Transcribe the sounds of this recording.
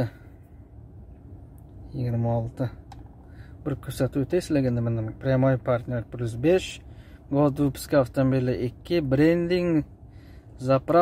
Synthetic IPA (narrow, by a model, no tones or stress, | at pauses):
jɪɡʲɪɾmaɒlˠt̪ɪ | bɪɾkʲʰɵɾsat̪ʉt̪ʰasleɡʲand̪ɪmɪnɪmpɾʲɪamojɪpʰaɾt̪nʲeɾpʰlʲʊzbeʃɡod̪upʰɪ̥skʲaaft̪omobilɪʔɪkʲːɪbɾend̪iŋ | zapɾa